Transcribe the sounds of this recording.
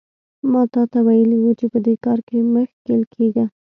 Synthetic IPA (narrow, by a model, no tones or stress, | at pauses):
mɑt̪ɑt̪awajəliwut͡ʃepəd̪ekɑɾkeməxkelkʰeɡa